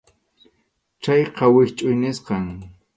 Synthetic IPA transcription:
t͡ʃajqɑwɪkt͡ʃʼʊjnɪsqɑŋ

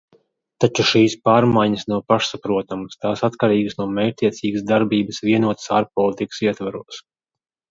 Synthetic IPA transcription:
t̪at͡ʃuʃiːspaːɾmajɲəsnawpaʃsapɾuɔt̪amast̪aːsat̪kaɾiːɡəsnuɔmɛːjɾt̪ʲiɛt̪siːɡsd̪aɾbiːbəsviɛnuɔt̪ə̥saːɾpɔlˠit̪ikə̥siɛt̪vaɾuɔs

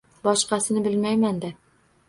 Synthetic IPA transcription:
bɒʃqɑsɪnɪbɪlmajmand̪a

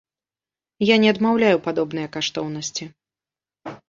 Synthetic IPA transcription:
janʲɛɐd̪mawlʲajupad̪ɔbn̪ɨjɐkaʂt̪ɔwnɐsʲt͡sʲi

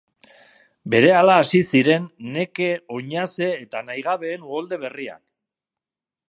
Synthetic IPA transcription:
be̞ɾe̞alaːsisiɾe̞nːe̞ke̞o̞ɲase̞ːt̪anajɣ̞aβe̞ːnuɣo̞ld̪e̞βe̞ria̰n

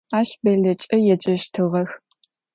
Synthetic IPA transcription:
aːʃbɐɮɐt͡ʃʼɐjɛd͡ʒʼɐʃtʰɨʁɐx

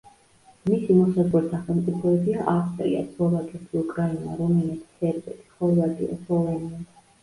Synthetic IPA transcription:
misimɔsazʁɛlisaχɛlˠmt̪sʼipʰɔɛbiaʔafst̪ʼɾia̰slˠɔvakʼɛt̪ʰiukʼɾainaɾɔmɛnɛt̪ʰsɛɾbɛt̪ʰi̥χɔlˠad̪ḭa̰slɔvɛnia

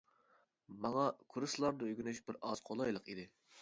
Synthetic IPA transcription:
mɑŋɑkʰuɾɨslˠɑɾd̪ɨøɡʲynyʃbɪɾɑz̥qʰolˠɑjlˠəqid̪ɪ

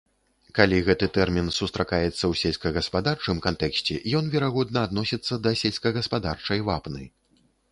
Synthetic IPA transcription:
kalʲiɣɛt̪ɨt̪ɛrmʲinsust̪ɾakajɛt̪sːɐwsʲelʲsʲkɐɣɐspad̪art͡ʂɨmkant̪ɛksʲt͡sʲɛjɔnvʲɛɾaɣɔd̪nɐːd̪nɔsʲit̪sːɐd̪ɐsʲelʲskɐɣɐspad̪art͡ʂɐjvapnɨ̰

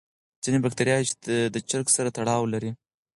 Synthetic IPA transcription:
z̥inebakt̪aɾjɑt͡ʃ̪d̪ət͡ʃɪɾksaɾat̪aɽɑwlaɾi

